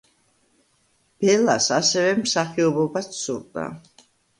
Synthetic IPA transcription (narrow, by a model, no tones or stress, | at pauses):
b̥ɛlasasɛvɛmsaχiɔbɔbat͡sʰsuɾd̪ʼa̰